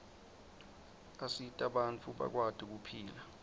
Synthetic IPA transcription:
asitʼaɓant͡fʰuɓa̰k̬wad̥ʱik̬upʰiːla

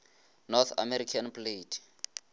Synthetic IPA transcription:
nɔt̪ʰa̰mɛɾikʰanpletʰ

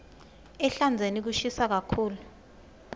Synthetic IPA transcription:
ɛɬand͡zʱenik̬uʃisak̬akʰuːlu

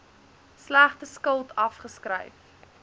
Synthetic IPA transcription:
slæχtəskəlˠtʰɐfχəskɾə̰jf

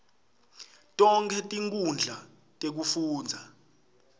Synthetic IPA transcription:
tʼɔŋkʰɛtʼiŋkʼund͡ɮʱa | tʼek̬ufuːnd͡zʱa

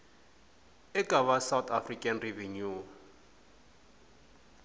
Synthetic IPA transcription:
ɛkʼaβasawt̪ʰafrikʼanrɛvɛɲu

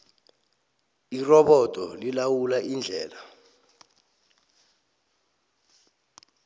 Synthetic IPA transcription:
irɔɓɔd̥ʱʼɔlilawulaʔind͡ɮʱɛːla

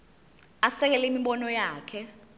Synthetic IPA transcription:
asɛk̬ɛlɛimiɓɔnɔjaːkʰɛ

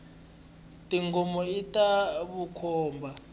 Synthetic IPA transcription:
tʼiŋɡɔmɔitʼaβukʰɔːmbʱa

